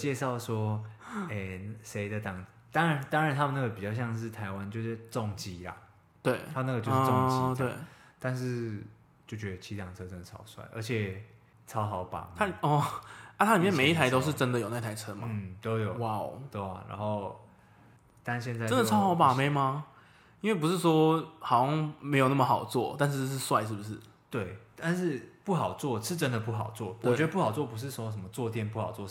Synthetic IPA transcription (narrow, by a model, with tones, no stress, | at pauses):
t͡ɕjɛ˥˧ʂɑ˥˩ʊʂwɔ˥e˥˩ʂe˧˥ɪd̪ə˨˧t̪ɑ˨˩ŋ | t̪ɑ˥ŋɻa˧˦nt̪ɑ˥ŋa˨nt̪ʰa˦mə˨na˥˩ɡə˩pi˨t͡ɕjɑ˥˧ʊɕjɑ˥˧ŋʂ̬ɻ̩˥˩t̪ʰa˧˦ɪwa˦nt͡ɕjo˥˧ʊʂ̩˥˩t͡sɔ˥˨˩ŋt͡ɕi˥lɐ̰˨˩ | t̪we˥˩ɪa˥m˨na˥˩ɡə˨t͡ɕo˥˧ʂo˥ŋt͡ɕiwe˥˩ɪt̪a˥˧nʂɻ̩˥˧ | t͡ɕjo˥˩t͡ɕɥɛ˧˦d̪ə˧t͡ɕʰi˧˥t̪ɑ˨˩ŋt͡sʰɤ˥ʈ͡ʂə˥nd̪ə˨˩t͡sʰɑ̰˨˩˦ʊswa̰˥˩ɪʔə̰˞˧˥t͡ɕʰɛ˨˩ | t͡sʰɑ˥ʊxɑ˨˩˦ʊpɑ̰˨˩a˥ɔ˥˧a˥˩t̪ʰa˥li˨˩mjɛ˥˨me˨˦ɪi˥˩t̪ʰa˧˥ɪt̪o˥ʊʂ̬ɻ̩˥˩ʈ͡ʂə˦˥nd̪ə˨jo˨˩na˥˩˥t̪ʰa˧˥ɪʈ͡ʂʰɤ˥ma˧˥˩t̪o˦ʊjo˨˩ʊwa˥˩ʊt̪we˥˩a̰˨˩na̰˧˥nxo˥˩ʊ | t̪a˦nɕjɛ˥˧nt͡sa˥˧ə˦nd̪ə˨t͡sʰɑ˥ʊxɑ˨˧˥ʊpa˨˩me˧˥ɪma˧ | i˥nwe˥˩ɪpu˥ʂɻ̩˥˩ʂwɔ˥xɑ˨˩ʊ˥ŋme˧˥ɪjo˨˩ʊnə˥˩mə˨xɑ˨˩ʊt͡swɔ˥˨t̪a˥˧nʂ̬ɻ̩˥˧˥ʂ̬ɻ̩˥˧swa˥˧ɪʂ̬ɻ̩˥˩bu˩ʂ̬ɻ̩˥˩ | t̪we˥˩ɪt̪a˥˧nʂɻ̩˥˧pu˥˩xɑ˨˩ʊt͡swɔ˥˨ʂɻ̩˥˨ʈ͡ʂə˦˥nd̪ə˨pu˥˩xɑ̰˨˩ʊt͡swɔ˥˩wɔwt͡ɕɛ˧˥d̪ə˧pu˥˩xɑ˨˩ʊt͡swɔ˥˩pu˧˥ʂ̬ɻ̩˥˩swɔ˥ʂ̬ə˧˦mə˧t͡swɔ˥˧t̪ʰjɛ˥˧˨npu˥˩hɑ˨˩ʊt͡swɔ˥˨